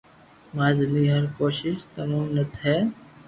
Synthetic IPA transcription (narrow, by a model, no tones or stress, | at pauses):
maːzliːɦəɾkoːʃɪʃt̪əmaːmnət̪ʰɦɛː